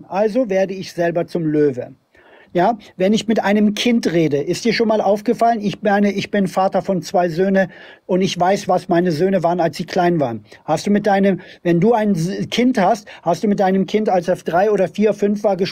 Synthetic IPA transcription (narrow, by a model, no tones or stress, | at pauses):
ʔalzoveːɐdəɪçz̥ɛlbɐt͡sʊmløːvə | jaːvɛnɪçmɪtʔaɪnəmkʰɪntʁeːdəʔɪstd̥iːɐʃoːnmaːlʔaʊfɡ̥əfalənɪçmaɪnəʔɪçb̥ɪnfaːtɐfɔnt͡sv̥aɪzøːnəʔʊntɪçv̥aɪsv̥asmaɪnəzøːnəvaːʁənalsz̥iːkʰl̥aɪnvaːʁənhastd̥uːmɪt̚d̥aɪnəmvɛnduːaɪnkʰɪnthasthastd̥uːmɪt̚d̥aɪnəmkʰɪntalsafd̥ʁaɪʔoːɾɐfiːɐfʏnfv̥aːɐɡəʃ